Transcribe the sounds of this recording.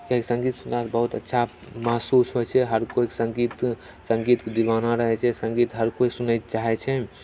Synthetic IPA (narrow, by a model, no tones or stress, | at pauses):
kaɦksə̃ŋɡit̪sunasbəɦut̪ə̰tːʃʰa | məɦsusɦojt͡ʃʰɛɦəɾkoiksə̃ŋɡit̪ | sə̃ŋɡit̪kd̪iʋanaɾəɦɛt͡ʃʰɛsə̃ŋɡit̪ɦəɾkoisunət̪t͡ʃaɦɛt͡ʃʰɛ